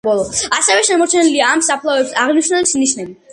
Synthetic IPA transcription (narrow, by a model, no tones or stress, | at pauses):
bɔlˠɔasɛvɛʃɛmɔɾt͡ʃʰɛniliaːmsapʰlˠavɛpsaʁniʃnɛlismniʃnɛbi